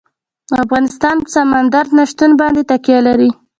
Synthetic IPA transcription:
afɣɑnɪst̪ɑnpəsamand̪aɾd̪naʃt̪unbɑnd̪et̪akjɑlaɾi

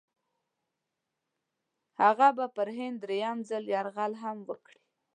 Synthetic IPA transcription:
haɣabapəɾɦɪnd̪ɾejamzaljɑɾɣalɦamwəkɽi

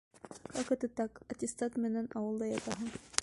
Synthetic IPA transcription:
χɑqɤ̆t̪ɤt̪ɑqɑt̪ʲɪst̪ɑt̪mɘ̆nænʔɑwɤlˠd̪ɑjɑt̪ɑɦɤɴ

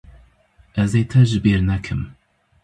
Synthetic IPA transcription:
ʔɐzet̪ʰɐʒɨbeɾnɐkʰɨm

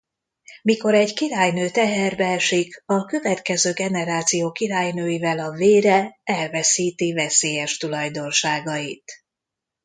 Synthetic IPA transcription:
miko̞ɾɛɟkiɾaːjnøːt̪ɛɦɛrbɛɛʃikɒkø̞vɛt̪kɛzøːɡɛnɛɾaːt̪sijoːkiɾaːjnøːjivɛlɒveːɾɛɛlvɛsiːt̪ivɛseːjɛʃt̪ulɒjd̪o̞nʃaːɡɒjit̪

